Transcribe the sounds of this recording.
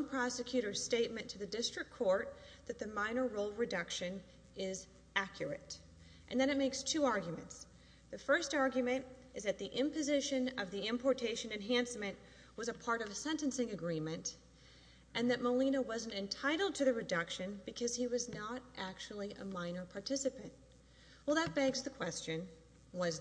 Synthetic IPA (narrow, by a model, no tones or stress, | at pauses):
mpʰɹ̥ɑsɨkʰj̥ʉɾə˞z̥steɪt̚mɨ̃ntʰɨðɨdɪstɹ̥ɨkʰːɔɹt̪̚ðɨt̪̚ðɨmãɪ̃ñə˞ɹoʊlˠɹɨdʌkʃɨ̃n | ɪz | ʔækʰjə˞ɨ̰ɾ | ʔɨ̃nðɨ̃ñɨt̚meɪkstʰʉɑɹɡjmɨ̃nts | ðɨfɜ˞stɑɹɡjɨmɨ̃ntɨzðɨt̪̚ðiʔɪ̃mpɨzɪʃɨ̃nʌvðiɪ̃mpʰɔɹtʰeɪʃɨ̃nɨ̃nɦæ̃nsmɨ̃nʔ | wʌzɨpʰɑɹɾʌvsɛ̃ntɨ̃nsɪ̃ŋɨɡɹĩmɨ̃nt | ʔɨ̃nðɨt̚məlĩnəwʌz̃n̩tɨ̃ntʰaɪɾl̩ˠd̚tʰɨðɨɹɨdʌkʃɨ̃nbɨkʰʌz̥iwʌznəɾʔæk̚t͡ʃul̩ˠiʔə̰mãɪ̃nə˞pʰɑɹtʰɪsɨpɨ̃nʔ | wɛlˠðɨt̚b̥ɛɡzðɨkʰw̥ɛst͡ʃɨ̃n | wʌz